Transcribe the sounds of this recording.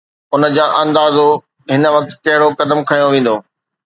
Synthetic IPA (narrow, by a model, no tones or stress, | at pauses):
ʊnə̆d͡ʑaːʔɐ̃nd̪aːzo | ɦɪnə̆ʋɐk̚t̪kɐɦɪɽokɐd̪əmkʰɐjõʋẽːn̆d̪oː